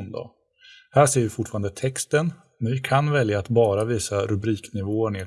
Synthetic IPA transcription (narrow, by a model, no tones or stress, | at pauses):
nd̪ɔ̰ | hæːʂeːɾvɪfʊʈfɑːɾand̪ət̪ʰɛkst̪ən | mɛnvɪkʰanvɛljaːt̪bɑːɾaviːsaɾɵbɾiːknɪvoːəɳɪɛ